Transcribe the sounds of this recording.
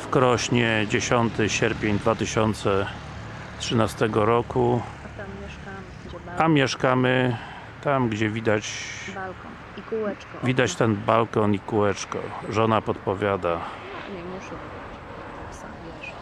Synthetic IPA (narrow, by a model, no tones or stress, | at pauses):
fkɾɔɕɲɛd͡ʑeɕɔnt̪ɘɕɛɾpʲjeɲd̪vat̪ɘɕɔnt̪sɛ | tʂɘnast̪ɛɡɔɾɔku | amʲjɛʂkamɘ | t̪amɡd͡ʑɛvʲid̪at͡ɕ | vʲid̪at͡ɕt̪ɛnbalkɔnikuɛt͡ʂkɔ̰ʐɔnapɔt̪pɔvʲjad̪a